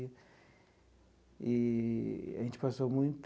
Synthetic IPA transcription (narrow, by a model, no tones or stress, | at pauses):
ɐ | ɪ | a̰ʒẽnt͡ʃɪ̥pasomũj̃t̪